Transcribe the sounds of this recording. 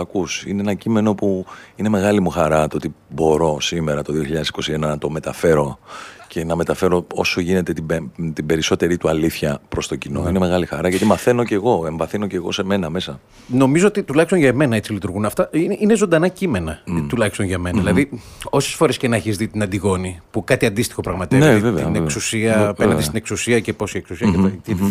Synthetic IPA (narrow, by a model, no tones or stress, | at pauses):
ɐkusineenɐcime̞no̞puine̞me̞ɣɐlimuxɐɾɐt̪oot̪ibo̞ɾo̞sime̞ɾɐt̪oðio̞çiʎɐðesi̥ko̞sienɐnɐt̪o̞me̞t̪ɐfe̞ɾo̞ce̞nɐme̞t̪ɐfe̞ɾo̞o̞soʝine̞t̪et̪iet̪ibe̞ɾiso̞t̪e̞ɾit̪uɐliθçɐpɾo̞st̪o̞cino̞̰ine̞me̞ɣɐlixɐɾɐʝɐt̪imɐθe̞no̞ce̞ɣo̞e̞ɱvɐθino̞ce̞ɣo̞̰se̞me̞nɐme̞sɐ | no̞mizoot̪it̪ulɐçist̪nʝɐme̞nɐet͡silit̪uɾɣunɐft̪ɐinʔine̞zo̞nd̪ɐnɐcime̞nɐt̪ulɐçi̥st̪onʝɐme̞nɐðilɐðio̞sesfo̞ɾe̞sce̞nɐçizðit̪inɐnd̪iɣo̞nipukɐt̪iɐnd̪ist̪i̥xo̞pɾɐɣmɐt̪evnevevneksusiɐenɐnest̪ine̞ksusiɐce̞po̞sieksusiɐeɐt̪i